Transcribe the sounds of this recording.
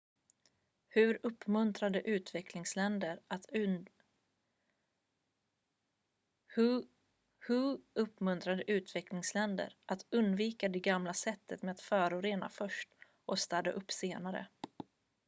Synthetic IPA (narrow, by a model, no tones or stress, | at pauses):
hɵ̟ɾɵpːmɵnt̪ɾad̪əʔʉ̟ːt̪vɛkʰlɪŋslɛnd̪əɾ | h | hɵɵpːmɵnt̪ɾad̪əʔʉ̟ːt̪vɛklɪŋslɛnd̪ə̰ɾʔat̪ɵnd̪viːkad̪ɛɡamlasɛt̪ʰːət̪meːat̪fœːɾʊɾeːna̰fœʂʈ | ʔɔst̪ad̪a̰ʔɵpːseːnaɾə̰